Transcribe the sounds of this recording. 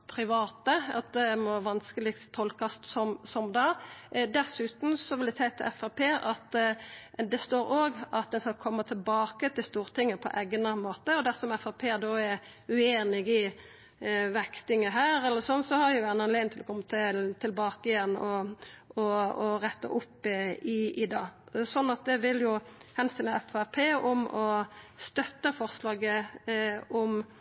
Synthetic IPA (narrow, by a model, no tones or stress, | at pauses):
pʰɾɪʋɑːt̪əɑ̰t̪̚d̪ɛmɔʋɑnskəlɪkt̪t̪ʰːɔlkɑssɔmsɔmd̪ɑd̪ɛsʉːt̪n̩sɔʋɪld̪æsæɪt̪ʰɪlɛfɑpʰeːɑt̪ | d̪ɛst̪oːɾoːɡɑt̪̚d̪ɛnskɑkʰɔmːət̪ʰɪlbɑːkət̪ʰɪlst̪uːɾt̪ʰɪŋːəpʰɔ̰ʔeːɡnəmoːt̪əɔd̪æsɔmɛfɑpʰeːd̪oːɛɾ | ʉeːnɪɡɪ | ʋɛkt̪ɪŋəɦæːɾɛlːəɾsɔnːsɔhɑɾjʊʋænɑnleːnʰɪlɔkʰɔmːət̪ʰɪlt̪ʰɪlbɑːkəɪjɛnːɔɔɾɛt̪ːə̰ʔʊpːɪɪd̪ɑːsɔnːɑt̪̚d̪ɛʋɪljʊhɛnst̪ɪləɛfæpʰeːʔɔmɔst̪œt̪ːəfɔʁslɑːɡə | ɔm